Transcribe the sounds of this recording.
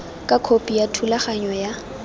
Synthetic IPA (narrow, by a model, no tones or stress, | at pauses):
kʼakʰopʼijatʰulaχaɲɔja